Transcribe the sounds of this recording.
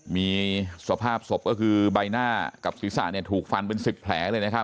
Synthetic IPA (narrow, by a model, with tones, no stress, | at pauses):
miː˧su˨˩a˦˩pʰaː˥˩p̚so˨˩p̚kɔː˥˩kʰɯː˧ba˧jnaː˥˩ka˨˩p̚si˨˩˦sa̰˨˩ʔni˥˩ɐt̪ʰuː˨˩k̚fa˧npe˧nsi˨˩pʰːlɛː˩˦lɤː˧jna˦˥kʰa˦˥p̚